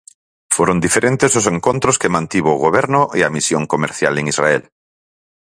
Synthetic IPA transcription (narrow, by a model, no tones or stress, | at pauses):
foɾond̪ifeɾʔẽnt̪ezoseŋkõnt̪ɾoskemãnt̪iβoːɣoβ̞eɾnoʔeamisjoŋkomeɾθja̰leŋizraḛl